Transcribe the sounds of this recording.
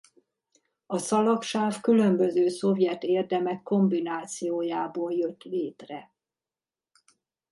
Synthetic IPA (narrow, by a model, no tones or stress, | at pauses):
ɒsɒlɒkʃaːfkylø̞mbø̞zøːso̞vjɛt̪eːrd̪ɛmɛkːo̞mbinaːt̪sijoːjaːboːljøt̪ːleːt̪rɛ